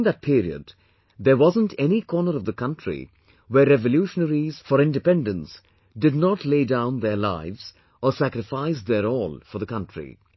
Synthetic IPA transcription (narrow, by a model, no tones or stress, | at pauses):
ŋðæt̚pʰiɾiə̰d | ðəɾwɑzə̃ntʰɛnikʰɔːnəɾʌvðəkʰʌ̃ntʰɹḭ | wɛːɛvəljuːʃənəɾiz̥fɔɾɪ̃ndɨpɛ̃ndə̃ns | dɪdnɔtleɪdãʊ̃nðəɾlaɪvz̥ | ɔsækɾɪfaɪs̬ðəɾɔːlˠfɔɾðəkʌ̃ntʰɹḭ